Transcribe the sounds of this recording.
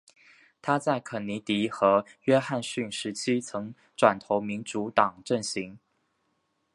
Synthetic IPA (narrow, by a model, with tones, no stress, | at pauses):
t̪ʰa˥t͡sa˥˩ɪkʰə˨˩nni˧˥t̪i˧˥xɤ˧˥ɥɛ˥xa˥˩˧nɕy˥˩nʂɻ̩˧˥t͡ɕʰi˥t͡sʰɤ˧˥ŋ | ʈ͡ʂwa˨˩nt̪ʰo˧˥ʊmi˧˥nʈ͡ʂu˧˥t̪ɑ˨˩ŋʈ͡ʂə˥˩ŋɕi˧˥ŋ